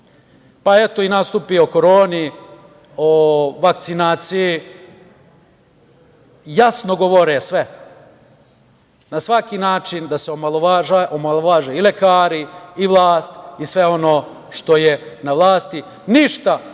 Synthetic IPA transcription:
paet̪o̞inast̪upioko̞ɾoːni | oʋak̚t̪sinaːt̪siji | jasno̞ɡo̞ʋoɾesʋe | nasʋakinaːt͡ʃind̪aseoaloaaʔomalˠoʋaːʒeːilekaːɾiːʋlˠaːst̪isʋe̞o̞no̞ː | ʃt̪o̞jenaʋlˠaːst̪i | niʃt̪a

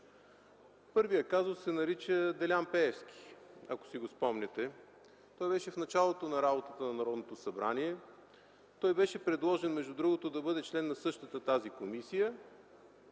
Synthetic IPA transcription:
pɤɾvijəkazossɛnɐɾit͡ʃəd̪ɛlʲampɛɛfsk̟ʲi̥ɐ̰ko̥siɡospɔmnɛt̪ɛ | t̪ɔjbɛʃɛfnɐt͡ʃalˠot̪onɐɾabot̪ət̪ənɐnɐɾɔd̪not̪osɐbɾa̰nʲiɛ | t̪ɔjbɛʃɛpɾɛd̪lˠɔʒɛnmɛʒd̪ud̪ɾuɡot̪od̪ɐbɤd̪ɛt͡ʃlɛnːɐsɤʃt̪ət̪ət̪azikomisijə

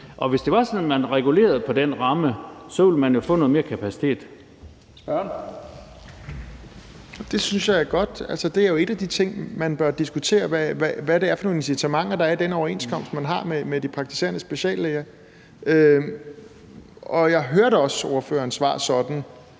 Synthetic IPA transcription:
ʔɒ̽ʋe̝sd̥e̝ʋɑ̈sɒnmænʁɛɡ̥ule̝̰ːɐð̞̩ˠpʰɒ̽d̥enʁɑ̈məsɒʋilmænjo̝fɔ̰nɔ̽ːðˠme̝ɐkʰæpʰæsi̥t͡sʰe̝̰ːd̥ | sb̥ɶn | d̥e̝synsjɑ̈ɪæɐɡ̥ɒ̽d̥ælsəd̥e̝æɐjo̝e̝d̥æd̥it͡sʰe̝ŋ̰mænb̥ɶɐd̥isɡ̥ut͡sʰe̝̰ːɐʋææʋæɾe̝æɐfɒno̝ːnensit͡sʰæmɑ̈ŋ̰ɐd̥ɑ̈æɐd̥enɒʊɐe̝nskʰɒ̽m̰sd̥mænɦɑ̈memed̥ipʰʁɑɡ̥̚t͡sʰi̥se̝̰ːɐnəsb̥e̝ɕɛ̰ːlːeːɐ | ø | ɒ̽jɑ̈ɪɦøɐɾəɒ̽so̝ɐfø̰ːɐːnsʋɑ̰̈ːsɒ̽d̥n̩

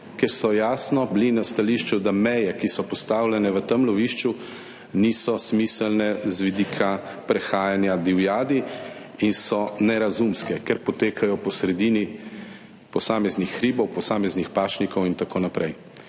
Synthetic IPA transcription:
kɛɾsɔjaːsnɔblinast̪aliʃt͡ʃud̪amɛjɛkisɔpɔst̪awlɛnɛʋət̪əmlɔʋiːʃt͡ʃu | nisɔsmisəlnɛzʋid̪ikʰapɾɛxaːjanjad̪iwjaːd̪i | insɔnɛɾazumskɛkɛɾpɔt̪eːkʰajɔpɔsɾɛd̪iːni | pɔsaːmɛznixːɾiːbɔwpɔsaːmɛznixpaːt͡ʃnikɔwint̪akoːnapɾʔɛj

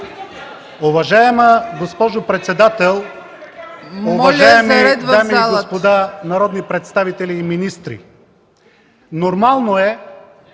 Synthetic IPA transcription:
ovɐʒaɛməɡospɔʒopɾɛt̪sɛd̪at̪ɛlˠ | ovlajɛmiɛd̪d̪amiiɡopod̪anɐɾɔd̪nipɾɛt̪st̪avit̪ɛliːminist̪ɾḭ | noɾmalˠnoɛ

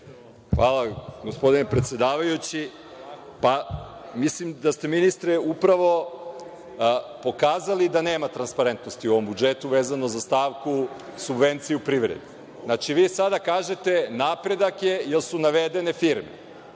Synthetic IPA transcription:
xʋaːlˠaɡospo̞d̪inepɾe̞t̪sjed̪aːʋajut͡ɕi | pamislimd̪ast̪e̞minist̪ɾeupɾaʋo̞ | po̞kaːzalid̪ane̞ːmat̪ɾanspaɾe̞nt̪no̞st̪iuoʋo̞mbud͡ʒet̪uʋe̞ːzanozast̪aːʋku | subʋe̞nt̪sijeupɾiʋɾḛd̪i | znat͡ʃiʋiːsad̪akaːʒe̞t̪e̞napɾe̞d̪akje̞jelsunaʋed̪e̞ne̞fiɾmḛ

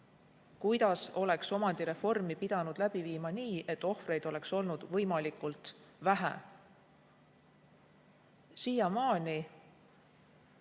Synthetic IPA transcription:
kujd̪̥ɑso̞le̞kso̞mɑnd̪̥iɾe̞fo̞rmipid̪̥ɑnud̪̥læb̥iviːmɑniːe̞t̪ːˑo̞hfre̞jd̪o̞le̞kso̞lnud̪̥vɤ̞jmɑlikˑult̪væɦæ̰ | sijɑmɑːnʲi

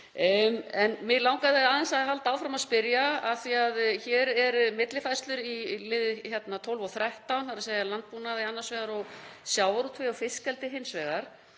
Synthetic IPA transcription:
ɛnmɪɣlawŋkaðɪaːðɪɛnsaðɦalt̪aːwfɾamaðspɪɾjaaθiaðçɛːɾɛɾmɪt̪lɪfajst̪lʏɾilɪðɪçjɛt̪nat̪ʰowlvɔθɾɛht̪awnθaɾasejalant̪̚punaðɪanːḁsvɛːɣaɾɔɣsjawvaɾut̪ʰvɪawfɪskɛlt̪ɪɦɪnsvɛːɣaɾ̥

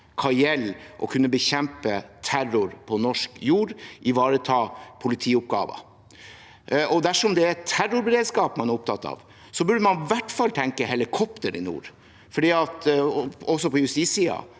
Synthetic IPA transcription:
kʰɑɛlːʔɔ̰kʰʉnːəbəçɛmpət̪ʰæɾʊɾpʰɔnɔʂkjuːɾʔɪʋɑːɾət̪ʰɑːpʰʊlɪt̪ʰiːʊp̚ɡɑ̰ːʋə̰ | ʔɔd̪æʂɔmd̪ɛɛt̪ʰːæɾʊɾbɛɾeːd̪skɑːpmɑnæɾʊp̚t̪ʰɑt̪ːɑ̰ʋ | sɔbʉɖəmɑnʋæʈfɑlt̪ʰɛŋkəhɛlɪkʰɔpt̪əɾɪ̰nṵːɾ | fɔɖiːɑt̪ | ɔsɔpɔjʉst̪iːsiːɑ̰

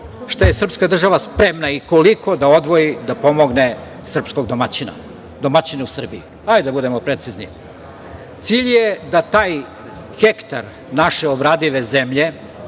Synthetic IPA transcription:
ʂt̪ajesr̩pskad̪r̩ʒaʋaspɾe̞mnaiko̞liko̞d̪ao̞d̪ʋo̞jid̪apo̞mo̞ɡne̞ | sr̩psko̞ɡd̪omat͡ɕina̰ | d̪omat͡ɕineusr̩bii | ajd̪abud̪e̞mopɾet̪siznḭ | t̪siʎjed̪at̪aːj | xekt̪a̰ɾ | naʃeobɾaːd̪iʋe̞zemʎe̞

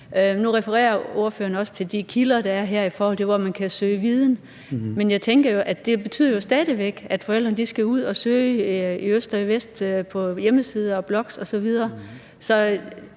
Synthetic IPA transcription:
ønuʁɛfəʁɛ̰ːɐo̝ɐfø̰ɐnɒ̽sə̥t͡sʰe̝ld̥ikʰilɐd̥ɑ̈æɐɦæɐ̰ifɒːhɒ̽l̰t͡sʰe̝ʋɒmænkʰæsø̰ːʋið̞ˠn̩ | menjɑ̈ɪt͡sʰeŋɡ̥ɐjo̝ʔæ̥d̥e̝b̥e̝t͡sʰy̰ð̰ˠɐjo̝sd̥ɛːðˠiʋeɡ̥æd̥fɒel̰d̥ʁɐnd̥isɡ̥æuð̞̰ˠɒ̽søːɪiøsd̥ɒiʋesd̥pʰɒ̽jeməsiːð̞ˠəɒ̽b̥lɒ̽ɡ̥sɒ̽sɒ̽ʋið̞ˠɐː | sɒ̽

